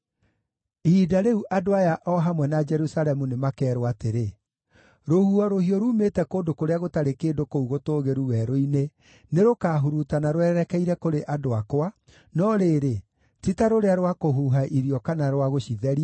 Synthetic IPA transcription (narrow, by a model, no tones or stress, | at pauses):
iːdaɾeuʔadoajaʔɔɦamwɛnad͡ʒɛɾusalɛmunemakɛːɾoateɾe | ɾohuɔɾohiɔɾuːmetɛkoːndokoɾeaɣotaɾekeːdokouɣotoːɣeɾuwɛɾoine | neɾokaːɦuɾutanaɾoɛːɾɛkɛiɾɛkoɾeʔadoakoa | nɔɾeːɾe | titaɾoɾeaɾowakoɦuɦaʔiɾiɔkanaɾwaɣoɕiðɛɾia